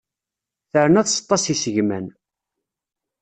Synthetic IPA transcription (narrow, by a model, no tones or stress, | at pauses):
θəɾənæðsə̥t̪ˤːɑsisəʝmæn